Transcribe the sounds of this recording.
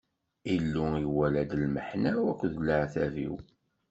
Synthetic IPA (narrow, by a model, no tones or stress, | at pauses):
ilːuiwælæd̪əlməħnæwækʷːðləʕθævḭw